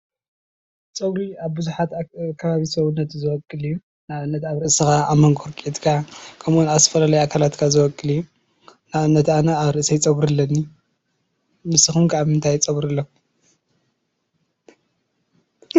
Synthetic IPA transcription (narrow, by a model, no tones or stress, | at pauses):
t͡sʼɐɡɾiaβbɨzuħat̪kʰɐβaβisɐβunːɐt̪zɨwɔkʼːɨlɨjːu | naʔɨnːɐt̪aβɾɨʔsɨxaːβmɐŋɡʰoɾkʼet̪kʰakʰɐmʔunat̪ɐfɐlalɐjakʰalat̪kʰazɨwɔkʼːɨlɨjːu | naβɨnːɐt̪anɐaβɾɨʔsijt͡sʼɐβɾɨlːɐnːi | mɨsɨxumkʰaβmɨnt̪ʰajt͡sʼɐβɾɨlːo